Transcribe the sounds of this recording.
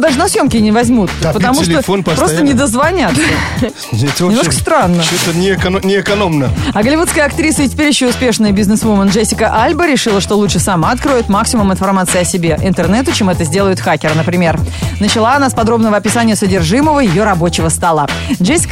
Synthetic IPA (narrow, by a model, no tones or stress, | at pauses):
d̪aʐɨnɐsjo̞mkʲɪnʲɪvɐzʲmut̪pət̪ɐmuʂlʲofonppɾoənʲɪd̪əzvɐnʲat̪ | zʲdʲesʲɪmnokə̥st̪ɾanːəsʲot̪ənʲɪːkɐnʲɪːkɐnomnəɐɡəlʲɪvut̪skəjɐk̚t̪ɾʲisəɪtʲɪ̥pʲeɾʲɪɕːoʊspʲe̞ʂnɨjəbʲɪznɨsmomənʐɛsʲːɪkəʔalʲbəɾʲɪʂɨlˠəʂt̪o̞lˠut͡ʃʂɨsamaɐt̪̚kɾojɪt̪maksʲɪmumɪnfɐrmat̪sɨɪɐsʲɪbʲe̞ʔɪ̰nt̪ɨrnɛt̪ʊt͡ɕemɛt̪əzʲdʲe̞lˠəjʊt̪xakʲɪɾənəpɾʲɪmʲe̞rnət͡ɕɪlˠaɐnaspɐd̪ɾo̞bnəvəɐpʲɪsanʲɪjəsədʲɪrʐɨməvəjɪjo̞ɾɐbo̞t͡ɕɪvəst̪ɐlˠaʐesʲːɪ̥k